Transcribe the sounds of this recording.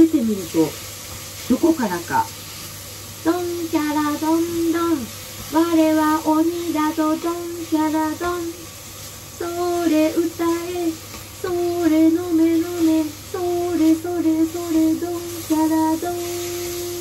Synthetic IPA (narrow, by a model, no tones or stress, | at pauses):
det̪e̞mʲiɾɯ̟t̪o | d̪̥oko̞kaɾaka̰ | d̪̥õŋkʲaɾad̪õnd̪õŋ | βaɾe̞βaʔoɲ̟id̪at̪od̪õŋkʲaɾad̪õŋ | soɾe̞ɯ̟t̪ae | soɾenomenomesoɾesoɾesoɾed̪õŋkʲaɾad̪oŋ